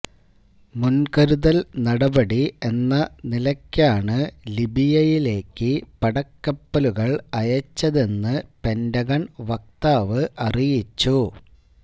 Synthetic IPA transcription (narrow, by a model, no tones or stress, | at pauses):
munkɐɾuðɐlnɐɽɐbɐɽie̞nːɐnilɐkʲːaːɳɨlibijɐjile̞ːkːɨpɐɽɐkːɐpːɐluɣɐɭɐjɐt͡ɕːɐðe̞nːɨpe̞ndɐɣɐɳʋɐk̚t̪aːʋɨʔɐrijit͡ɕːu